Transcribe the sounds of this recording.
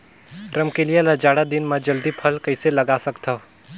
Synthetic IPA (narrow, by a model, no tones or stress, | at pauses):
ɾɐmkelijelad͡ʒaːɽad̪ɪnmãd͡ʒɐld̪ipʰɐlkɐɪselɐɡaːsɐkt̪ʰa